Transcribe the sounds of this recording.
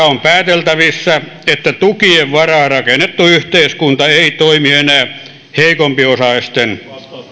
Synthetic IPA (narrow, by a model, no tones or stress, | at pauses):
ɑompæːt̪elt̪æʋisːæ | et̪ːæt̪ukieʋʋɑrɑːrɑkenːet̪ːuyht̪eiskunt̪ɑeit̪oimienæː | heikompiosɑist̪en